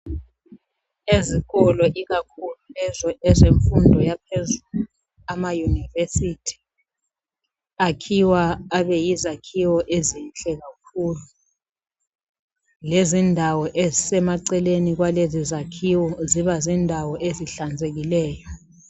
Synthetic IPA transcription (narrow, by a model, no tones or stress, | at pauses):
eziɣɔlɔʔiɣakʰululɛzɔɛzeɱfundʱɔjapʰezulu | amajunivesitʰi̥ | akʰiwaːɓɛjizakʰiwɔʔezinɬɛk̬ak̚ʰuːlu | lezindʱawɔʔezsɛmaǀɛlenik̬walezizakʰiwɔziβazindʱawɔʔeziɬand͡zʱeɣ̬ilɛːjɔ